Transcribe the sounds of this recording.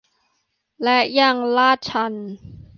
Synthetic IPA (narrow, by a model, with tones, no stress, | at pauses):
lɛ˦˥ja˧˩ŋlaː˥˩t̪̚t͡ɕʰa˧˩n